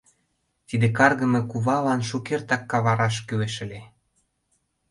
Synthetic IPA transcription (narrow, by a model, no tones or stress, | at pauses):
t̪id̪ekɑrɣə̆mĕkuβɑlɑnʃukert̪ɑkːɑβɑɾɑʃkyweʃə̆lʲe